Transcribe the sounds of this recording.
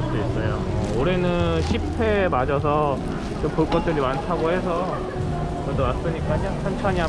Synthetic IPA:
t͈eis͈ʌjo | oɾe̞nɯnnɕʰipʰe̞mad͡ʑʌs̬ʰʌ | t͡ɕompuɭk͈ʌt̚t͈ɯɾimantʰaɡoɦe̞s̬ʰʌ | t͡ɕʌdomas͈ɯɲik͈akɯɲaŋpʰjʌnt͡ɕʰaɲiɦa

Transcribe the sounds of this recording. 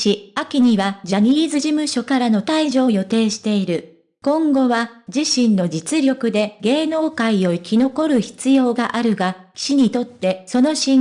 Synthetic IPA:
iakʲiɲ̟iβad͡ʑaɲ̟iːzɨʑimɯ̟ɕo̞kaɾano̞t̪aiʑo̞ːjo̞t̪e̞ːɕi̥t̪e̞iɾɯ̟ | kõ̞ŋɡo̞βad͡ʑiɕĩnːo̞d͡ʑit͡sɨɾʲo̞kɯ̟d̪e̞ɡe̞ːno̞ːkaio̞ikʲino̞ko̞ɾɯ̟çi̥t͡sɨjo̞ːɡaʔaɾɯ̟ɡa | kʲi̥ɕiɲ̟it̪o̞t̪ːe̞so̞no̞ɕĩŋ

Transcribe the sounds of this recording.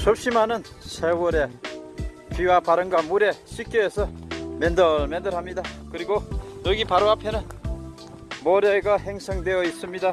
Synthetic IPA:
sʰop̚ɕ͈imanɯn | sʰewʌɾe̞ | piwapaɾɯnɡwamuɾe̞ɕʰik͈joesʰʌmendʌɭmend̪ʌɾɦamɲidakɯɾiɡonʌɡipaɾoapʰe̞nɯn | moɾeɡaɦeŋsʰʌŋde̞jʌis͈ɯmɲida

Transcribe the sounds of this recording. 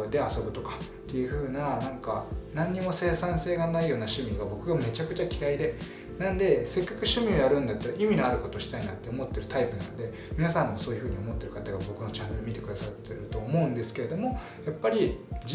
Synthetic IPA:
d̪e̞aso̞bɯ̟t̪o̞kḁ | t̪ːe̞jɯ̟ɸɯ̟ːnanãŋkanãɲ̟ːimo̞se̞ːsãɰ̃se̞ːɡanaijo̞ːnaɕɨmʲiɡabo̞kɯɡame̞t͡ɕakɯ̟t͡ɕakʲiɾaid̪e̞ | nãnd̪e̞se̞kːakɯ̟ɕɨmʲio̞jaɾɯ̟̃nd̪at̪ːaɾaʔimʲinoaɾɯ̟ko̞t̪o̞ɕi̥t̪ainat̪ːe̞o̞mo̞t̪ːe̞ɾɯ̟t̪aipɯ̟nano̞d̪e̞ | mʲinasãmːoso̞ːjɯ̟ɸɯ̟ːɲ̟io̞mo̞t̪ːe̞ɾɯ̟kat̪aɡabo̞kɯ̟no̞t͡ɕãnːe̞ɾɯ̟mʲit̪e̞kɯ̟d̪asat̪ːe̞ɾɯ̟t̪o̞ːmo̞ɯ̟̃nd̪e̞sɨ̥ke̞ɾe̞d̪o̞mo̞ | japːaɾʲid͡ʑ

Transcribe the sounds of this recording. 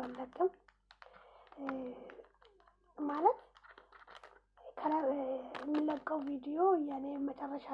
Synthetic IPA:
alːəkʼːɨm | malət̪ | kʰələɛmːɨlːəkʼːəwvid̪ijo̞ɨjanemət͡ʃʼərːəʃa

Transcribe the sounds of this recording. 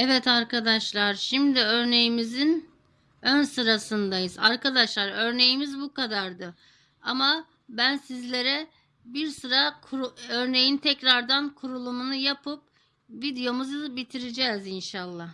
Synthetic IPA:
ɛvɛt̪aɾkʰad̪aʃlˠaɾʃimd̪iøɾne̞jimizin | ønsɯɾasɯnd̪ajɯzaɾkad̪aʃlˠaɾøɾne̞jimizbukʰad̪aɾd̪ɯ | ama | bænsizlʲe̞ɾɛ | biɾsɯɾakʰøɾne̞jint̪ʰɛcɾaɾd̪ankʰuɾulˠumunujapʰɯp̚ | vid̪ijo̞muzɯbit̪ʰiɾid͡ʒɛzinʃalˠːah

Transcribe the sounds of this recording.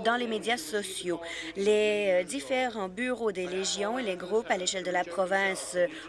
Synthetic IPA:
d̪ɑ̃lemed̪jasɔsjoled̪ifeʁɑ̃byʁod̪eʁeʒjɔ̃eleɡʁupaleʃɛld̪əlapχɔvɛ̃s

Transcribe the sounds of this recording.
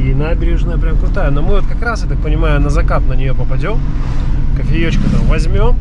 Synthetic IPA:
inabʲɪɾʲɪʐnəjəpɾʲamkɾʊt̪ajənomɨvot̪̚kɐkɾasjat̪ak̚pənʲɪmajʊnəzɐkat̪nənʲɪjopəpɐdʲo̞m | kəfʲɪjot͡ɕkʲɪt̪amvɐzʲmʲo̞m

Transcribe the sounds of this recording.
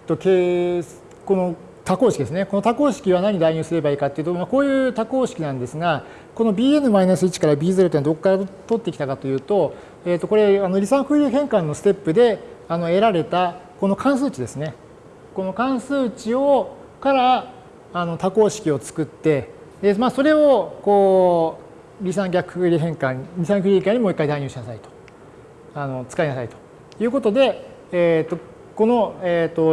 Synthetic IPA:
t̪ːo̞ke | ko̞no̞ | t̪akoːɕikʲid̪esɨne̞ko̞no̞t̪ako̞ːɕi̥kʲiβ̞anaɲ̟id̪aiɲ̟ɨːsɨɾe̞baiːkat̪ːe̞iɯ̟t̪omako̞ːjɯ̟ːt̪ako̞ːɕi̥kʲinãnd̪e̞sɨɡa | ko̞no̞bʲiːe̞nɯ̟mainasɨit͡ɕi̥kaɾabʲiːzeɾɯ̟t̪oad̪o̞kokːaɾat̪o̞t̪ːe̞kʲi̥t̪akat̪o̞jɯ̟ːt̪o̞ | e̞t̪ːo̞ko̞ɾe̞ano̞ɾʲisãɸɯɾɯ̟ːɦẽ̞ŋkãnːo̞sɨ̥t̪e̞pːɯ̟d̪e̞ano̞e̞ɾaɾe̞t̪a | ko̞no̞kʰãɰ̃s̬ɨːt͡ɕid̪e̞sɨne̞ | kono̞kãɰ̃sɨːt͡ɕio̞ | kaɾaː | not̪ako̞ːɕi̥kʲio̞t͡sɨ̥kɯ̟t̪ːe̞ | d̪emaːso̞ɾe̞o̞koː | ɾʲisãŋɡʲakɯ̥ɯɾʲiɦẽ̞ŋkãɲɾʲisãŋkɯ̟ɾʲikãɲːimoikːaid̪aiɲ̟ɨːɕinasait̪o̥ | ano̞t͡sɨ̥kainasait̪o̥ | jɯ̟ːko̞t̪o̞d̪e̞ː | t̪ːo̞ | ko̞no̞et̪ːo̞

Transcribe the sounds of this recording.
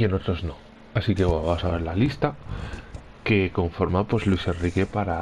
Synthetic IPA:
eno̞t̪ɾoznõ̞ | asike̞waasaβe̞ɾlalist̪a | ke̞ko̞ɱfo̞ɾmapwe̞szlwise̞nrike̞paɾa

